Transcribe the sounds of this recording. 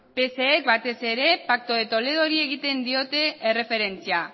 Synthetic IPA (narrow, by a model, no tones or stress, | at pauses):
pe̞seːk̚bat̪e̞se̞ɾe̞pak̚t̪o̞ðet̪o̞le̞ð̞o̞ɾie̞ɣ̞it̪e̞nd̪io̞t̪e̞ːre̞fe̞ɾe̞nt͡sia